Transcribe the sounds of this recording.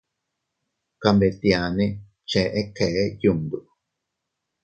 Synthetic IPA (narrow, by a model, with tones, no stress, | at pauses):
ka˧mbe˨t̪ia˨nẽ˦ | t͡ʃe˨˦ʔe˦ke˨˦ju˨nd̪u˨ʔ